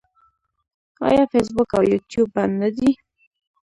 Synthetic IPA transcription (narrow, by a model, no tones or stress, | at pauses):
ɑ̰jɑfes̬bʊkawjut̪jub̚ːannad̪i